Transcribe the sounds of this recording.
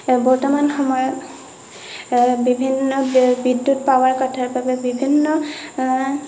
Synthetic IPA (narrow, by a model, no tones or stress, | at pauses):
bɔɹtɔmanxɔmɔjɔ | bibʱinːɔbidːutpawaɹkɔtʰaɹbabɛbibʱinːɔ